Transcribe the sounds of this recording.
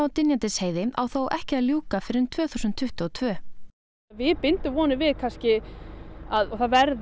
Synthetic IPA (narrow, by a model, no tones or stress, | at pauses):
awt̪ɪnjant̪ɪsheːjðɪa̰wθowʔɛ̰hcɪaðljuːkafɪɾɪnt̪ʰv̥œːθusʏnt̪ʰːʏht̪ʏɔt̪ʰvœː | vɪðpɪnt̪ʏmvɔːnɪvɪðkʰanscɪ | aðɔθaðvɛɾð